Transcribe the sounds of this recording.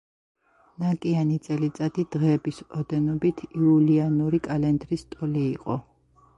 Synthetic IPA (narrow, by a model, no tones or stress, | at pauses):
nakʼianit̪sʼɛlit̪sʼat̪id̪̥ʁɛːbisɔd̪ɛnɔbit̪ʰiulianuɾikʼalɛnd̪ɾist̪ʼɔliːqʼɔ̰